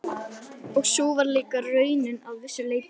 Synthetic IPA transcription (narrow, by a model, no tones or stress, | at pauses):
ɔɣsoːwvaɾleːkarœːɥnɪnaðvɪsːʏleːjp